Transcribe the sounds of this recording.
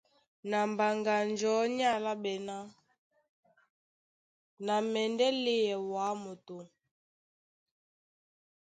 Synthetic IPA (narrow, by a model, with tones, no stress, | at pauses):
na˨mba˨ŋɡa˨nd͡ʒɔ˨˦ɲa˦˨la˦ɓɛ˨na˦ | na˨mɛ˨ndɛ˦le˦jɛ˨wa˨˦mo˨to˨